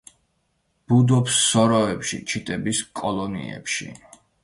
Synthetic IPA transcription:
b̥ud̪ɔpsːɔɾɔɛpʃḭt͡ʃʰit̪ʼɛbiskʼɔlˠɔnḭɛ̰pʃḭ

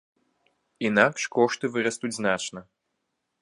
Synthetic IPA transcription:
inakʂkɔʂt̪ɨvɨɾɐst̪ud͡zʲznat͡ʂnɐ

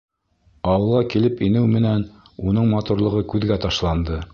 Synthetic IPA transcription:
ɑwɤ̆lˠʁɑkilɘpinɘwmɘ̆næn | unɤɴmɑt̪uɾlˠɤ̆ʁɤkʉðɡæt̪ɑʃlˠɑnd̪ɤ

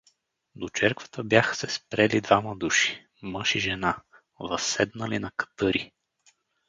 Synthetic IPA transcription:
d̪ot͡ʃɛɾkvə̥t̪əbjaxə̥sɛspɾɛlid̪vamɐd̪uʃi̥ | mɤʃiʒɛna | vɐsːɛd̪nəlinɐkɐ̥t̪ɤɾi

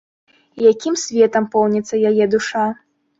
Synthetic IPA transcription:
ijakʲimsʲvʲɛt̪ɐmpɔwnʲɛt̪sːɐjajɛd̪uʂa

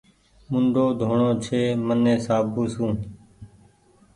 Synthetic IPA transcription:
mʊɳɖʱoːd̪ʱoːɳoːt͡ʃʰeːmənẽːsaːbũːsũː

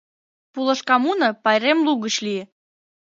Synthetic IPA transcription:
pulə̆ʃkɑmunəpɑjɾemluɣət͡ɕli

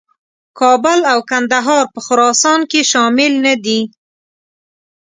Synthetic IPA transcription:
kʰɑbʊlawkand̪aɦɑɾpəxʊɾɑsɑnkeʃɑmɪlnad̪i

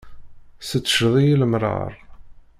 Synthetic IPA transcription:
sət͡sːʃðˤijiləmɾˤə̰ɾˤ

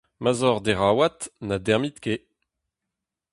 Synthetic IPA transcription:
mazɔʁd̪eʁaːwat̪nadɛʁmit̪ke

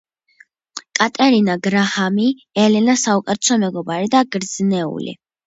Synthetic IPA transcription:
kʼat̪ʼɛɾinaɡɾahami | ɛlɛnasaukʼɛɾt͡ʃ̪ʰɔmɛɡɔbaɾid̪aɡɾd̪znɛṵlḭ

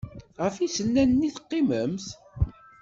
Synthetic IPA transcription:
ʁəfisənːænːiθqːɪməmθ

